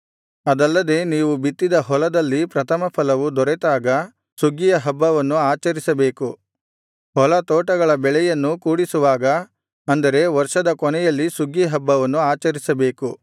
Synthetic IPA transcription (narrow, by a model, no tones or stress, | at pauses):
ɐd̪ɐlːɐd̪e̞ːniːʋubit̪ːid̪ɐɦɔlɐd̪ɐlːipɾɐt̪ʰɐmɐpʰɐlɐʋud̪ɔɾɛt̪aːɡɐ | suɡijɐɦɐbːɐʋɐnːuaːt͡ʃɐɾisɐbe̞ːku | hɔlɐt̪ɔːʈɐɡɐɭɐbɛɭɛjɐnːukuːɽisuʋaːɡɐ | ɐnd̪ɐɾe̞ʋɐɾʂɐd̪ɐkɔnɛjɐlːisuɡiɦɐbːɐʋɐnːuaːt͡ʃɐɾisɐbe̞ːku